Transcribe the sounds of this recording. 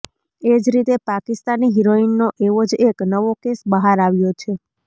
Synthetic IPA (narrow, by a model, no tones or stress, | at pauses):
ed͡ʒɾit̪epakist̪aniɦiɾoinːoʔeʋod͡ʒeknəʋokesbəɦaɾaʋjot͡ʃʰe